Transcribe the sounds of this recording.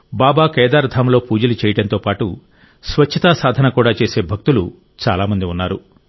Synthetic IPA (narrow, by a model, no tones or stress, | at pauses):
baːbaːkɛːd̪aːɾd̪ʰʱamlo̞ːpuːd͡ʒɐlut͡ʃɛːjɐɽɐnt̪o̞ːpaːʈu | sʋɐt͡ʃt͡ʃʰːɐt̪asaːd̪ʱɐnɐkuːɽaːt͡ʃeːse̞ːbʱɐk̚t̪ulu | t͡ʃaːlaːmɐnd̪iunːaːɾu